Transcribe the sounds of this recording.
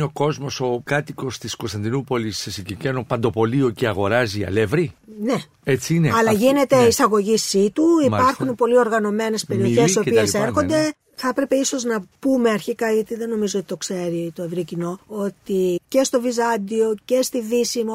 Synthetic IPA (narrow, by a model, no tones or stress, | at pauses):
oko̞zmo̞so̞kɐt̪iko̞st̪iskost̪ɐnd̪inupo̞lisːesiɟicenopɐnd̪o̞po̞lio̞ceɐɣo̞ɾɐziɐ̰levɾine̞ | et͡siineɐlɐʝine̞t̪e̞isɐɣo̞ʝisit̪uipɐɾxunpo̞lio̞ɾɣɐno̞me̞ne̞spe̞ɾio̞çesiopieseɾxo̞nd̪e̞ | θɐpɾepe̞iso̞znɐpume̞ɐɾçikɐʝɐt̪iðeno̞mizoot̪i̥t̪o̞kse̞ɾit̪o̞evɾicino̞o̞t̪ice̞st̪o̞vizɐnd̪io̞ce̞st̪iðisimo